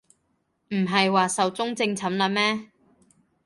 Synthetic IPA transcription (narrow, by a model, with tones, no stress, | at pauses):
m̩˨˩ɦɐ˨jwaː˨sɐ˨wt͡sʊ˥ŋt͡sɪ˧ŋt͡sʰɐ˨˥mlɐ˨˧mɛː˥